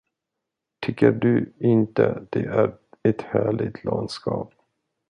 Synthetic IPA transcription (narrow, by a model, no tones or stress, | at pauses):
t̪ʰʏkːəɖɵɪnt̪əd̪̥ɛʔæɾɛt̪hæːɭɪɡ̚t̪ʰlɑnd̪skɑːp̚